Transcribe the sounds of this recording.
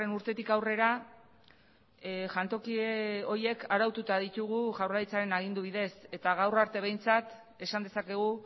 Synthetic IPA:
enuɾt̪e̞t̪ikawre̞ɾa | ʝant̪o̞kieo̞ɾje̞kaɾawt̪ut̪aðit̪uɣuʝawrajt͡saɾe̞naɣ̞ind̪uβ̞iðe̞se̞t̪aɣ̞awraɾt̪e̞β̞e̞jnt͡sat̪ | e̞sand̪e̞sake̞ɣ̞u

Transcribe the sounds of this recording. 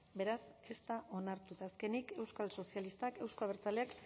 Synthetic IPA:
be̞ɾase̞st̪aʔo̞naɾt̪ut̪aːske̞nike̞wskalso̞sialist̪ake̞wsko̞aβeɾt͡saleak

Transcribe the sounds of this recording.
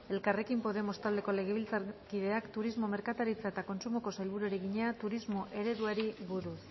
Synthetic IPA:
e̞lkare̞kimpo̞ðe̞mo̞st̪ald̪e̞ko̞le̞ɣ̞e̞β̞ilt͡sakiðe̞akt̪uɾizmo̞me̞ɾkat̪aɾit͡sae̞t̪ako̞nsumo̞ko̞sajlβuɾuɾeɣiɲe̞at̪uɾizmo̞ʔe̞ɾe̞ðuaɾiβuɾus

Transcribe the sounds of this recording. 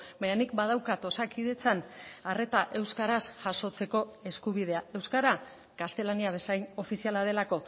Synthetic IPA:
baɲanikbað̞awkat̪o̞sakiðe̞t͡sanare̞t̪aʔe̞wskaɾasʝaso̞t͡se̞ko̞e̞skuβ̞ið̞e̞ae̞wskaɾa | kast̪e̞laniaβ̞e̞sajno̞fisialaðe̞lako̞

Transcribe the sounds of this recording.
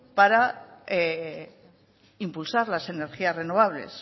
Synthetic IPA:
paɾae | impulsaɾlase̞ne̞ɾxiasre̞no̞β̞aβle̞̰s

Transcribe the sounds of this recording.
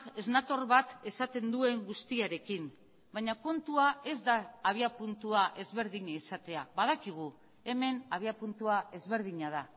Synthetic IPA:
e̞znat̪o̞ɾβat̪e̞sat̪e̞nd̪ue̞ŋɡust̪iaɾe̞kin | bajɲako̞nt̪uae̞zd̪aːβ̞iapunt̪uaʔe̞zβe̞ɾðiɲaisat̪e̞aβaðakiɣ̞u | e̞me̞naβ̞iapunt̪uae̞zβe̞ɾðiɲað̞a

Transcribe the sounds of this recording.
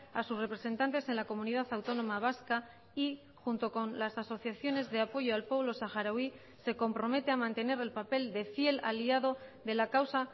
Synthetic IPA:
asusre̞pɾe̞se̞nt̪ant̪e̞se̞nlakomuniðaθawt̪o̞nõ̞maβ̞aska | i | xunt̪o̞ko̞nlasaso̞θjaθjo̞ne̞zðe̞apo̞ʝo̞alpwo̞βlo̞saxaɾawi | se̞ko̞mpɾo̞me̞t̪e̞amãnt̪e̞ne̞ɾe̞lpape̞ld̪e̞fje̞la̰liað̞o̞ðe̞lakawsa

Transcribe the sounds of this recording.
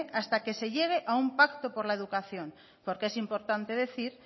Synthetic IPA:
ʔast̪akeseʎeɣ̞eʔaumpakt̪opoɾlaeð̞ukaθjoŋ | poɾkeesimpo̞ɾt̪ant̪eðe̞θiɾ

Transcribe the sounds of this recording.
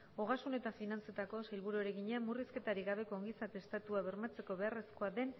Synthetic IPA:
o̞ɣ̞asune̞t̪afinant͡se̞t̪ako̞sajlβuɾueɾe̞ɣiɲamuriske̞t̪aɾiɣaβe̞ko̞ːŋɡisake̞st̪at̪uaβe̞ɾmat͡se̞ko̞βe̞are̞skoaðe̞n

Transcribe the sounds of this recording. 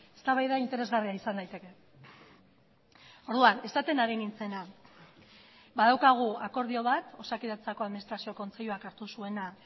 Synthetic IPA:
e̞st̪aβajðaint̪e̞ɾe̞zɣariaisand̪ajt̪e̞ke̞ | o̞ɾðuane̞sat̪e̞naɾenint͡se̞na | baðawkaɣ̞uako̞ɾð̞io̞β̞at̪o̞sakiðat͡sako̞aðminist̪ɾasio̞ko̞nt͡se̞ʎuakaɾt̪usue̞na

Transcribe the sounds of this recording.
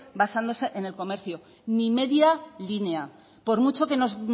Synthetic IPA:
basand̪o̞se̞ʔene̞lko̞me̞ɾθjo | nime̞ðjalinea | po̞ɾmut͡ʃo̞ke̞no̞z

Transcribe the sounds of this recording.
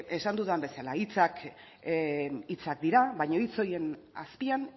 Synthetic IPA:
e̞sand̪uðambe̞salait͡sak | it͡sak̚d̪iɾaβajɲo̞it͡so̞je̞n | a̰spian

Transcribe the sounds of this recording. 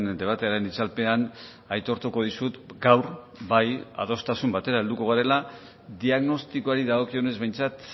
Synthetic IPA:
nd̪e̞β̞at̪e̞aɾe̞nit͡salpe̞an | ajt̪o̞ɾt̪uko̞ð̞isut̪ɡawɾ | baja̰ð̞o̞st̪asumbat̪e̞ɾae̞ld̪uko̞ɣ̞aɾe̞la | d̪iaɣno̞st̪ikoaɾiðaɣ̞o̞kio̞ne̞zβe̞jnt͡sat̪

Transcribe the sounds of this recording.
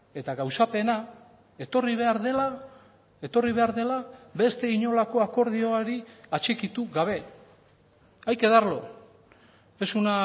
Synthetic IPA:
e̞t̪aɣawsape̞na | e̞t̪o̞riβ̞e̞aɾðe̞la | e̞t̪o̞riβe̞aɾðe̞labe̞st̪e̞iɲo̞lako̞ako̞ɾðio̞aɾiat͡ʃe̞kit̪uɡaβ̞e̞ | ajke̞ðaɾlo̞ | esuna

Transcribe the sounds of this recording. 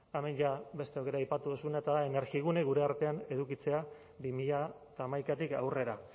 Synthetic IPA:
amenʝabe̞st̪e̞okeɾajpat̪uðusunaet̪aðaene̞ɾɣiɣuneɣuɾe̞aɾt̪e̞ane̞ðukit͡se̞a | bimiʎa | t̪aːmajkat̪ika̰wre̞ɾa

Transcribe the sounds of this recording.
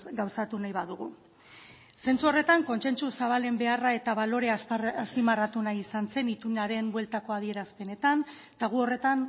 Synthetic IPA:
ɡawsat̪unajβaðuɣ̞u | se̞nt͡suo̞re̞t̪aŋko̞nse̞nt͡susaβ̞ale̞mbe̞arae̞t̪aβalo̞ɾe̞aaspimarat̪unajisanse̞nit̪uɲaɾe̞mbwe̞lt̪ako̞aðie̞ɾaspe̞ne̞t̪an | t̪aɣ̞uo̞re̞t̪an

